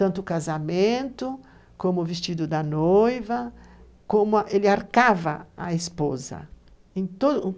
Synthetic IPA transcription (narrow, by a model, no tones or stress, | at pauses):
t̪ɐ̃nt̪ʊkazamẽnt̪ʊ | kõmʊvist͡ʃid̪ʊd̪ɐnojvɐ | kõmʊʔelɪaɾkavɐaespozɐ̰ | ẽj̃t̪od̪